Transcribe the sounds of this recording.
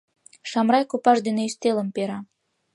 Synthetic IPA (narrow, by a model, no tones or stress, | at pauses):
ʃɑmrɑjkopɑʃd̪eneiʃt̪elə̆mpeɾɑ